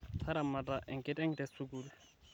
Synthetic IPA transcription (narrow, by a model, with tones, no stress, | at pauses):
tʰa˦ɾa˨ma˨tʼa˨ʔɛ˨ŋ̩˨kʼɪ˦tɛ˦ŋ̩dɛ˨su˦kuːlʊ